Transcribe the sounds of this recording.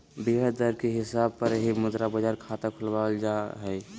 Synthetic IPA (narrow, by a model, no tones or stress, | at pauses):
biɦəd̪əɾkeɦɪsab̚pəɾɦimʊd̪ɾabəd͡ʒaɾkʰat̪akʰʊlbald͡ʒaɦəj